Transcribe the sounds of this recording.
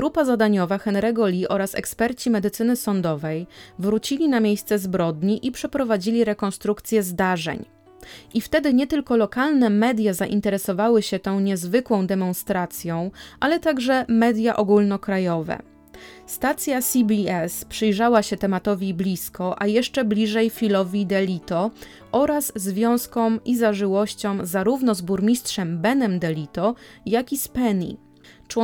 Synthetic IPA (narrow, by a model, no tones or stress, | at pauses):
ɡɾupazad̪aɲɔvaxɛnɾɛɡɔlʲiʔɔɾasɛ̰kspɛɾt͡ɕimɛd̪ɘt̪sɘnɘsɔnd̪ɔvɛjvɾut͡ɕilʲinamʲjejst̪sɛzbɾɔd̪ɲiʔipʂɛpɾɔvad͡ʑilʲiɾɛkɔnst̪ɾukt̪sʲjɛzd̪aʐɛ̰ɲ | ʔift̪ɛd̪ɘɲɛt̪ɘlkɔlɔkalnɛmɛd̪ʲjazaʔint̪ɛɾɛsɔvawɘɕɛt̪ɔ̃w̃ɲɛzvɘkwɔ̃w̃d̪ɛmɔ̃nst̪ɾat̪sʲjɔ̃w̃ʔalɛt̪aɡʐɛmɛd̪ʲjaʔɔɡulnɔkɾajɔvɛ̰ | st̪at̪sʲjasʲibʲiɛspʂɘjʐawaɕɛt̪ɛmat̪ɔvʲiblʲiskɔʔajɛʂt͡ʂɛblʲiʐɛjfʲilɔvʲid̪ɛlʲit̪ɔ | ʔɔɾazːvʲjɔ̃w̃skɔ̃wizaʐɘwɔɕt͡ɕɔ̃w̃zaɾuvnɔzbuɾmʲistʂɛmbɛnɛmd̪ɛlʲit̪ɔjakʲispɛnḭ | t͡ʂwɔ